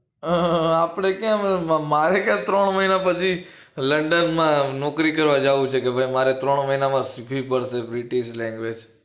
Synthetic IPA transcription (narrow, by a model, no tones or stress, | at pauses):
apɽ̃ekjãmamaɾekjãt̪ɾəɳ̃məɦinapət͡ʃʰi | ləɳɖənmãnɔkɾikəɾʋad͡ʒaʋũt͡ʃʰekebʱajmaɾet̪ɾəɳ̃məɦinamãsikʰʋipəɽsebɾiʈiʃlɛ̃ŋɡʋed͡ʒ